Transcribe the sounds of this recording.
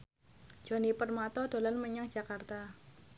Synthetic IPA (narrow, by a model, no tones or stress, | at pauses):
d͡ʒ̥o̤nipərmat̪ɔdolanməɲaŋ̥d͡ʒ̥a̤kart̪a